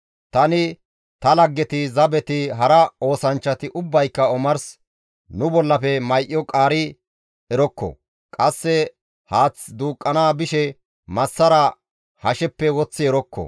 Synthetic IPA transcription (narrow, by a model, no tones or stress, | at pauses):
t̪ɐnɪ | t̪ɐlɐɡːɛt̪ɪzɐbɛt̪ɪɦɐɾɐo̞ːsɐnt͡ʃːɐt̪ɪʔʊbːɐjkːɐɔmɐɾs | nʊbɔlːɐfɛmɐjʔːɔkʼaːɾɪ | ɛɾɔkːɔ̰ | kʼɐsːɛ | haːt͡sd̪uːkʼːɐnaːbɪʃɛ | mɐsːɐɾɐ | hɐʃɛpːɛwɔt͡sːɪɛɾɔkːɔ̰